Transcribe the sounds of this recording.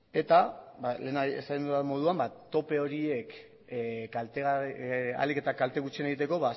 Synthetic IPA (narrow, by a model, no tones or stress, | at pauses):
e̞t̪abale̞ːnaḛsaɣenuamo̞ð̞uambat̪o̞pe̞o̞ɾie̞k | e | a̰like̞t̪akalt̪eɣut͡sieneɣit̪e̞ko̞βa